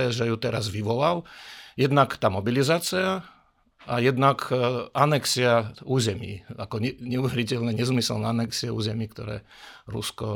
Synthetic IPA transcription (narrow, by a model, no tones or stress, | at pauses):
ɛʒɛjut̪ɛɾazʋiʋɔlaljɛd̪nakt̪aːmɔbilizaːt͡sia | ajɛd̪nakanɛksiauːzɛmḭːakɔɲɛɲɛuʋɛɾicɛlnɛɲɛzmisɛlnɛanɛksiɛṵːzɛmiːkt̪ɔɾɛ̰ː | ɾṵskɔ